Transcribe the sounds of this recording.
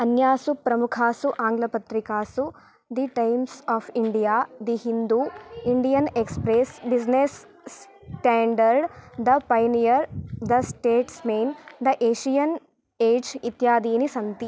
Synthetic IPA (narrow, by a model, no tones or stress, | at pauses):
ɐnjaːsupɾɐmukʰaːsuʔaːŋɡlɐpɐt̪ɾikaːsu | d̪iʈɐjmsɔːfʰiɳɖijaːd̪iɦind̪uiɳɖijɐnekspɾesbid͡ʒnes | ʈaːɳɖɐɾɖd̪ɐpɐjnijɐɾd̪ɐsʈeːʈsmejnd̪ɐʔeːʃijɐn | eːd͡ʒit̪jaːd̪iːnisɐnt̪i